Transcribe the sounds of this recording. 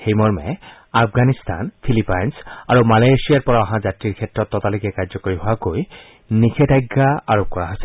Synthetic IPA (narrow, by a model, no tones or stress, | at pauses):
xejmɔɹmɛ | apʰɡanist̪ʰa̰npʰilipajnsa̰ɹumalajsijaɹpɔɹaaɦãzatɹiɹkʰɛtːɹɔtːɔtalojkɛkaɹzɔkoɹiɦowakoj | nikʰedajɡːaaɹop̚kɔɹaɦosɛ